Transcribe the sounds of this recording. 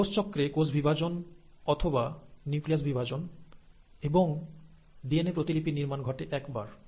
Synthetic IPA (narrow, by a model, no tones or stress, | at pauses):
ost͡ɕɔkːɾekod͡ʑbʱibʱad͡ʑon | ɔt̪ʰobaniuklias̬bibʱad͡ʑon | eboŋ | dienepɾot̪ilipiniɾmanɡʱɔʈeʔɛkbaɾ